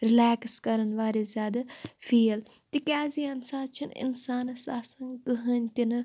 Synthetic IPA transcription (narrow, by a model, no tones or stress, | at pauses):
ɾɪlaːkskɐɾənʋaːɾezʲjaːd̪afʰiːl | t̪ikʲaːziːɐnsaːt͡ʃʰinɪ̰nsaːnsaːsɐŋɡkɨɦənʲt̪inɨ